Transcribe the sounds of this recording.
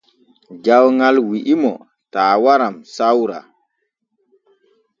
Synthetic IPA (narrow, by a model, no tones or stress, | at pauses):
d͡ʒawŋɡalwiʔimɔ̰ | taːwaɾamsawɾa̰